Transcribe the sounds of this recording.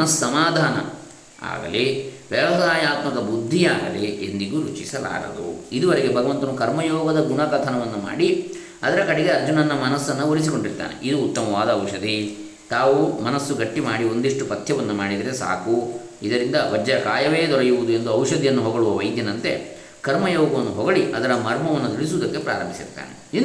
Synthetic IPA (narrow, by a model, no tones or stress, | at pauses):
nɐsːɐmaːd̪ʱaːnɐ̰ | a̰ːɡɐ̰leʋɛʋɐsaːjaːt̪mɐkɐbud̪ʱːijaːɡɐleʔend̪iɡuɾut͡ʃisɐla̰ːɾɐ̰d̪ṵid̪uʋɐɾeɡe̞bʱɐɡɐʋɐnt̪ɐnukɐɾmɐjɔːɡɐd̪ɐɡunɐɡɐt̪ʰɐnɐʋɐnːuma̰ːɽi | ɐd̪ɐɾɐkɐɽeɡe̞ɐɾd͡ʒunɐnːɐmɐnɐsːɐnːɐoɭisiko̞ɳɖiɾt̪a̰ːnḛʔid̪uːt̪ːɐmɐʋaːd̪ɐːwʂɐd̪i | t̪aːʋumɐnɐsːuɡɐʈːimaːɽio̞nd̪iʂʈupɐt̪ʰːjɐʋɐnːumaːɽid̪ɐɾesa̰ːku | id̪ɐɾind̪ɐʋɐd͡ʒɐkaːjɐʋeːd̪ɔɾɐjuʋud̪ue̞nd̪uɐwʃɐd̪ijɐnːuɦɔɡɐɭuʋɐʋɐjd̪jɐnɐnt̪e̞̰ | kɐɾmɐjɔːɡɐʋɐnːuɦɔɡɐɭiʔɐd̪ɐɾɐmɐɾmɐʋɐnːut̪iɭis̬uʋːd̪ɐkːe̞pɾa̰ːɾɐmbʱisḭɾt̪a̰ːne | i